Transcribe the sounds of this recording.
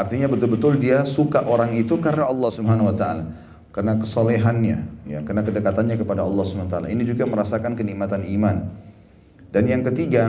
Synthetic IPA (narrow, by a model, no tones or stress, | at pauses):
art̪iɲabət̪ʊlbət̪ʊldiasukaʔoɾaŋit̪ukarənaɑlːɑhsubəɦanawat̪aa̰la | karnakəsɔleɦanɲa̰ja̰kənakədəkat̪anɲakəpadaɑlːɑsubəant̪ala̰inid͡ʒuɡaməɾasakankəniʔmat̪animan | danjaŋkət̪iɡa